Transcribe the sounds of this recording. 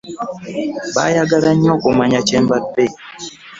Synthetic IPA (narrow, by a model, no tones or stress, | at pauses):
ba̰jaɡalaɲɔkomaɲat͡ʃɛmbabe